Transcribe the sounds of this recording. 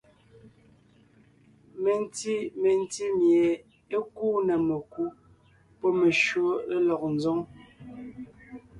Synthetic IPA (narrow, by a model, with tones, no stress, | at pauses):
me˨n˦ti˦me˨n˦ti˦mjɛ˨ | e˦kuː˦nə˨me˨ku˦ | pɔ˦me˨ʃwo˦e˦lɔ˨k̚n̩˨zɔ˦ŋ